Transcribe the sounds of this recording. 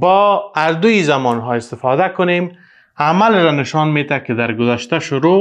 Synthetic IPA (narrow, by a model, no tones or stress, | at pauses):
bɒaɾd̪uizamɔnɦɒɪst̪ɪfɑd̪akʊnem | amalɾanɪʃɑnmet̪akɪd̪aɾɡʊzaʃt̪aʃʊɾo